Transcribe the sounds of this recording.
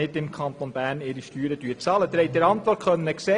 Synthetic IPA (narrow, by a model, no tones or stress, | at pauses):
ɪtɪmkʰɑnt̪onbæːɾnɪɾiʃtyːɾədyːt͡sɑːlət̪ɾɛɪt̚dəɾɑnt̪ʋɔɾkχœnənəksɛ